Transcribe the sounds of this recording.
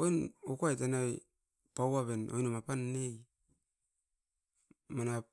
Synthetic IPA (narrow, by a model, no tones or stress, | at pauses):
ojnokuajtanai | pawaβenojnomapanːej | mana